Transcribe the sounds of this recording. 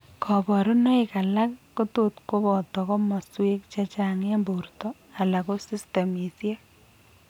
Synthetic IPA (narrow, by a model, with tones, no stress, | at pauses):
kʰɔ˨bɔ˨ɾu˦nɔ˦ika˨la˦kːo˦tot̪ko˦bɔ˨t̪ɔ˨kɔ˦mɔ˨swe˦k̚t͡ʃa˦t͡ʃa˨ŋe˦mbo˨ɾt̪ɔ˦ | a˨la˨ko˦si˦ste˨mi˨sje˦